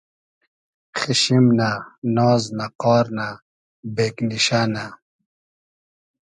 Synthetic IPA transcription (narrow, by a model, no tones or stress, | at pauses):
xiɕimnanɔːznaqɔːɾna | beːkniɕana